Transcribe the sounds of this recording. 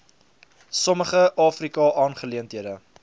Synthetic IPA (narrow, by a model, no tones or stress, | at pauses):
sɔməχəʔɑːfrikɑʔɑːnχəliəntɦiədə